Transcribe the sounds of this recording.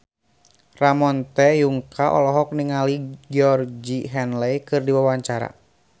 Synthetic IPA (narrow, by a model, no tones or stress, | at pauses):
ramɔnt̪ɛjuŋkʰaʔɔ̰lɔɦɔk̚niŋaliɡiɔrd͡ʒiɦɛnlɛjkɨrdiwawaɲt͡ʃaɾa̰